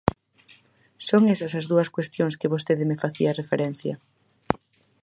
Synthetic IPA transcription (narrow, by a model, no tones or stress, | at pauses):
soŋesɐsɐzðuɐskwest̪joŋskɪβost̪eðɪmefaθiɐrefeɾen̟θjɐ